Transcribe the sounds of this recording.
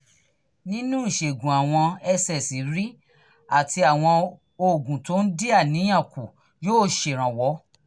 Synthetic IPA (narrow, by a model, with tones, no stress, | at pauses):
nĩ˦nũ˦i˦˨ʃe˨ɡũ˨a˨w̃ɔ̃˧ɛ˧sɛ˨si˨˦ɾi˦ | a˦˨tʰi˧a˨w̃ɔ̃˧ | o˨ɡũ˨to˨˦n̩˦di˦a˦˨nĩ˨˦j̃ã˦˨ku˨ | joː˦ʃe˨ɾ̃ã˨wɔ˨˦